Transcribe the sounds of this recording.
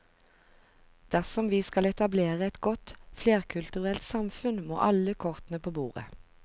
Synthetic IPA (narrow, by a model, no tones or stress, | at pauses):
d̪̥æʁsɔmʋiːskɑlɛt̪ɑbleːʁəɛt̪ɡɔt̪fleːʁkʰʉlt̪ʉʁɛlt̪sɑmfʉnmo̰ːʔɑləkʰɔʁt̪n̩əpʰoːbuːʁə̰